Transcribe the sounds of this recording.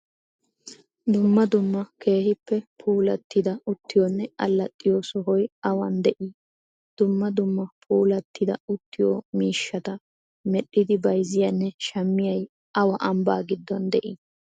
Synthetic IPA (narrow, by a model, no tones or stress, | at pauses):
d̪ʊmːɐd̪ʊmːɐke̞ːhɪpːɛpʰuːlɐt̪ːɪd̪ɐʊt̪ːɪjɔnːɛɐlːɐtʼːɪjosɔɦɔjɐwɐnd̪ɛʔi | d̪̥ʊmːɐd̪ʊmːɐpʰuːlɐt̪ːɪd̪ɐ̰ʊt̪ːɪjɔ̰miːʃːɐt̪ɐ | mɛɗːɪd̪ɪbɐjzɪjɐnːɛʃɐmːɪjɐj | ʔɐwɐʔɐmba̰ːɡɪd̪ːɔnd̪ɛʔɪ